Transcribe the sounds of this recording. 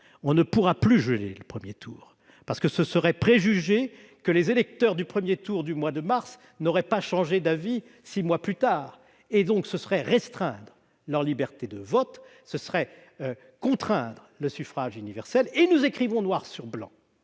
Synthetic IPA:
ɔ̃nəpuʁaplyʒəlḛləpχəmjet̪ʰuːʁ | paʁsə̥kəsəsəʁɛpχeʒyʒe | kəlezelɛk̚t̪œʁd̪ypχəmjet̪uʁd̪ymwad̪əmaʁs | nɔʁɛpaʃɑ̃ʒed̪avi | simwaplyt̪aːʁ | ed̪ɔ̃ksəsəʁɛʁɛst̪χɛ̰̃d̪ʁə | lœʁlibɛʁt̪ed̪əvɔt̪ | səsəʁɛ | kɔ̃t̪χɛ̃d̪ʁələsyfχaʒynivɛʁsɛlenuzekχivɔ̃nwaʁsyʁblɑ̰̃

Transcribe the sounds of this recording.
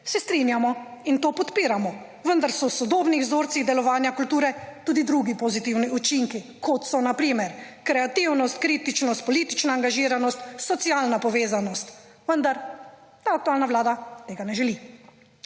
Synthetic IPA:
sɛst̪ɾinjamɔint̪oːpɔt̪piːɾamɔ | ʋənd̪aɾsɔsɔd̪oːbniɣzoːɾt̪siɣd̪ɛlɔʋaːnjakult̪uːɾɛt̪uːd̪id̪ɾuɡipɔzit̪iwniʔut͡ʃiŋkikʰɔt̪sɔnapɾiːmɛɾ | kɾɛat̪iwnɔst̪̚kɾiːt̪it͡ʃnɔst̪̚pɔliːt̪it͡ʃnaːŋɡaʒiːɾanɔst̪sɔt̪sialnapɔʋeːzanɔst̪ | ʋənd̪aɾ | t̪aak̚t̪uaːlnawlaːd̪at̪eɡanɛʒɛli

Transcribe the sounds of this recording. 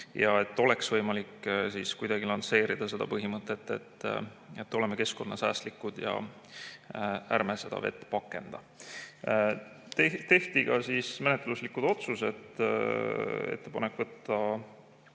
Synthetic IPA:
jɑe̞t̪ːo̞le̞ksvɤjmɑliksiskujd̪ɑɡ̥ilɑnse̞ːɾid̪̥ɑse̞d̪ɑpɤɦimɤt̪ːˑe̞t̪ːe̞̰t̪ː | et̪ːo̞le̞meke̞sko̞nːɑsæ̰ːst̪likːˑud̪̥jɑ̰ | ærmese̞d̪ɑ̰ve̞̰t̪ːˑpɑkːe̞nd̪̥ɑ | t̪et̪e̞ht̪iɡ̥ɑsismene̞t̪luslikːud̪̥o̞t̪suse̞t̪ː | ḛt̪ːe̞pɑnekːvɤt̪ːˑɑ

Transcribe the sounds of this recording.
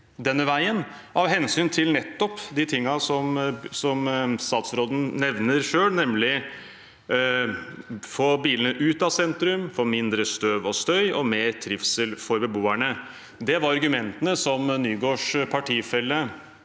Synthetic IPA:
d̪ɛnːəʋæɪən | ɑʋɦɛnsyːnt̪ʰɪlnɛt̪ːɔpd̪ɪt̪ʰɪŋːɑsɔmsɔmst̪ɑːt̪sɾoːd̪n̩nɛʋnəɾʂøːlnɛmlɪ | foːbiːlənəʔʉːt̪ɑsɛnt̪ɾʉmfɔmɪnd̪ɾəst̪øːʋɔst̪œʏʔɔmeːɾt̪ʰɾɪfsəlfɔɾbəboːæɳə | d̪ɛʋɑɾɑɾɡʉmɛnt̪ənəsɔmnyːɡoːʂpʰɑʈʰiːfɛlːə

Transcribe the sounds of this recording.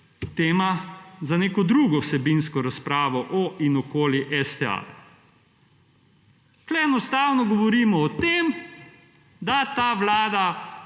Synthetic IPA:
t̪eːmazaneːkɔd̪ɾuːɡɔwsɛbinskɔɾaspɾaːʋɔʔɔinɔkoːliʔɛst̪ɛa̰ | klɛɛnɔst̪aːwnɔɡɔʋɔɾiːmɔːt̪eːm | d̪at̪aːʋlaːd̪a

